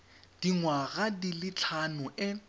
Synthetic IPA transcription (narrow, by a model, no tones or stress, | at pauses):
d̥iŋwaɣadilɪt͡ɬʰanʊʔɪ